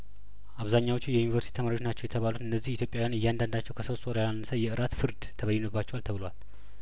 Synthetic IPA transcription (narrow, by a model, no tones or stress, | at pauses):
ʔaβzaɲːawt͡ʃːujɛjunivəɾsit̪ʰit̪ʰəmaɾwot͡ʃnat͡ʃːɛwjɛt̪ʰəβalut̪ɨnːəzːihit̪jo̞pʼjawjanɨjːand̪and̪at͡ʃːɛwkʰəsost̪oɾjaanːəsəjɛɨɾat̪fɨɾd̪t̪ʰəβəjɛnəbːat͡ʃːɛwalt̪ʰəβɨlowal